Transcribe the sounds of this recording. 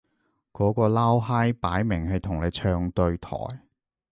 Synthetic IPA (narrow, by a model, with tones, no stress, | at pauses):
kɔː˨˥kɔː˧laː˥wɦaː˥jpaː˨˥jmɪ˨˩ŋɦɐ˨jt̪ʰʊ˨˩ŋle˨˧t͡ʃʰœː˧ŋt̪ɵ˧ɥt̪ʰɔ̰ː˨˩j